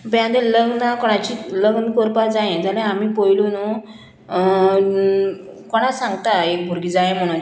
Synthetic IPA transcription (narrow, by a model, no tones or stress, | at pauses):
bjãd̪eləɡnakɔɽ̃at͡ɕiləɡnkɔɾpad͡zajẽd͡zalẽamiːpojlunu | kɔɽ̃asãŋɡt̪aek̚bʱuɾɡiːd͡zajem̤əɽ̃un